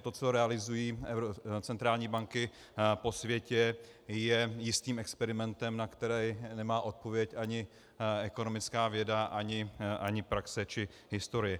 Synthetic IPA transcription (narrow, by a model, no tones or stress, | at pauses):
t̪o̞t͡so̞ɾɛalɪzujiːɛvɾot͡sɛnt̪ɾaːlɲiːbaŋkɪ | po̞svjɛcɛ | jɛjɪst̪iːmɛkspɛɾɪmɛnt̪ɛmnakt̪ɛɾɛjnɛmaːʔo̞t̪̚po̞vjɛcʔaɲɪ | ɛko̞no̞mɪt͡skaːvjɛdaʔaɲɪʔaɲɪpɾaksɛt͡ʃɪ | ɦɪst̪o̞ɾɪjɛ